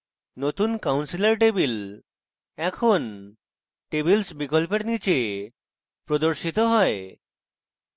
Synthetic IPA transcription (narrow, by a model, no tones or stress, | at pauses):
not̪unkawnsileɾʈ̬ebil | ɛkʰon | ʈebilsbikolpeɾnit͡ɕe | pɾod̪oɾʃit̪oɦɔe